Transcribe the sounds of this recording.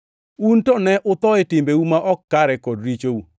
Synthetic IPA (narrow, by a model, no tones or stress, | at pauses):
untɔnɛʔʊt̪ɔɪtɪmbeumaʔɔkːaɾɛkodɾit͡ʃou